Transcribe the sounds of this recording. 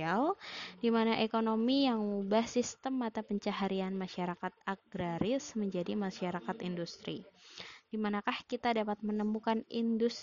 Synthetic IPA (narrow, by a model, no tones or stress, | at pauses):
awdimanaʔekonomijaŋubahsist̪əmat̪awpəɲt͡ʃaɦaɾianmaʃaɾakat̪̚aɡɾaɾɪsməɲd͡ʒadimaʃaɾakat̪indust̪ɾḭd̥imanakahkit̪adapat̪̚mənəmukanindus